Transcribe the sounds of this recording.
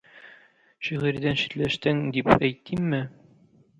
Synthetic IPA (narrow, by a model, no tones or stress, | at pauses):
ɕiʁɘ̆ɾd̪ænɕi̥t̪læʃt̪ɘŋd̪ipæjt̪ːimːɘ